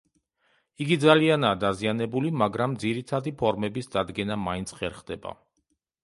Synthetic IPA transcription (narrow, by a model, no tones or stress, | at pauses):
iɡid̪zalianaːd̪azianɛbulimaɡɾamd̪ziɾit̪ʰad̪ipʰɔɾmɛbisd̪ad̪ɡɛnamaint̪sʰχɛɾχd̪ɛba̰